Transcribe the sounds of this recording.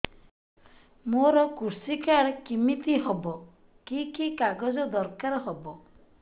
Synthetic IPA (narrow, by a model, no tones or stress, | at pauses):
moɾɔkuɾsikaɽkimit̪iɦɔbɔ | kikikaɡɔd͡ʒɔd̪ɔɾkaɾɦɔbɔ